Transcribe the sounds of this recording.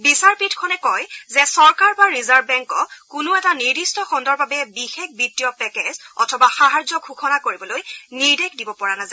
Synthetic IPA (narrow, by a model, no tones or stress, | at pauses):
bisaɹpitʰkʰɔnɛkɔjzɛsɔɹkaɹbaɹizaɹbbɛŋkɔkʊnʊɛtaniɹdistɔxɔndɔɹbabɛbixek̚ʰbitːijɔpɛkezɔ̰tʰɔbaxaɦaɹzɔkʰuxʰɔnakoɹibɔlojniɹdekʰdibɔpɔɹanaza